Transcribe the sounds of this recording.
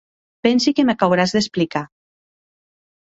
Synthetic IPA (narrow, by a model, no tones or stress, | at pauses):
pɛnsikemakawɾazðesplika